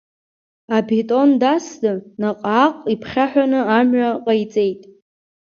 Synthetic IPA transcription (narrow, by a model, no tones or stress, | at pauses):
abitʼo̞ndasdɨnaqʼaːqʼipʰχʲaħᶣʷanɨamɥaqʼajt͡sʼe̞jtʼ